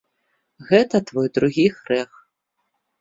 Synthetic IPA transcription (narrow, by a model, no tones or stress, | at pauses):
ɣɛt̪ɐt̪vɔjd̪ɾuɣʲixɾɛx